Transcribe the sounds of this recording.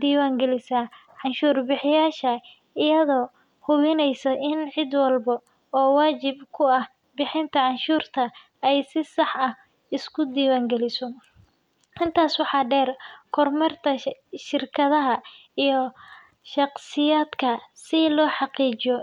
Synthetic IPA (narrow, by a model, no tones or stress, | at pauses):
d̪iːwaːŋɡɛlɪsaː | ʕɑnʃuːrbɪħɪjaːʃɐ | ɪjɐðɔː | hʊβɪnɛjsɐʔɪnʕɪd̪wɑlbɐ | ɔːwaːt͡ʃɪbkʰʊɐh | bɪħɪnt̪ʰɐʕɑnʃuːrt̪ʰɐ | ɛjsɪsɑħɐh | ɪskʰʊd̪iːwaːŋɡɛlɪsɔ | ɪnt̪ʰaːswɑħɑːɖɛːrkʰɔrmɐrt̪ʰɐʃɪrkʰɐðɐɦɐ | ijɔ | ʃɑqsɪjaːd̪kʰɐsɪlɔːħɑqiːt͡ʃɪɔ